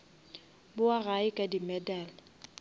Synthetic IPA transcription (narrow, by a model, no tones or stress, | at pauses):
bʊaɣaɪkʼadimɛdaːla